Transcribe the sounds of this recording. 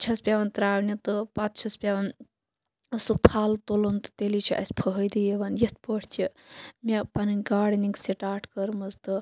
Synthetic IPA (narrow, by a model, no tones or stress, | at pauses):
t͡ʃʰɐspʲaːʋɐnt̪ɾaːʋnit̪ɨpat̪̚t͡ʃʰɐspʲaʋɐn | supʰaːlt̪olont̪ɨ̥t̪elit͡ʃʰiʔɐ̰sʲpʰəɦəjd̪ijeʋɐnjɐt̪̚ʰpəʈʰt͡ʃʰimepɐnɨnʲɡaːɽniŋkseʈaːʈʰkəɾmɐzt̪ɨ